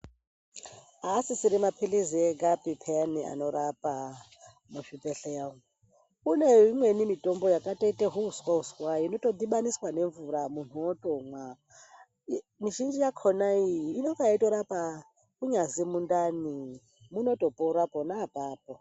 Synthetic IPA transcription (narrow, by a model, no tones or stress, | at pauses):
aːsisiɾimapʰiliziɛɡʼapʼipʰɛania̰nɔɾapʼa | muʃipʼɛɬɛjaŋ | kunɛiŋwenimitʼɔmbɔjakʼatʼɛtʼɛɦuuskwaɦuskwainɔtʼɔd̪iɓaniswaneɱvuɾamun̥̤ɔtʼɔŋwa | niʃind͡ʒijakʰɔnaiːnɔŋkaaitʼɔɾapʼa | kuɲazimundani | munɔtʼɔpʼɔuɾapʼɔnapʼaːpʼɔ